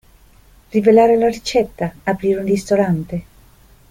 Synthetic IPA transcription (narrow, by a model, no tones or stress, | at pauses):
rivelaːɾelarit͡ʃɛt̪ːaːpɾiːɾeunrist̪oɾant̪e